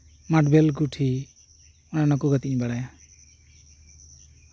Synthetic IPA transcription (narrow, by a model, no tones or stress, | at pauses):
maʈbɛlɡuʈʰi | ɔnanɔkuɡət̪iɲbaɽaja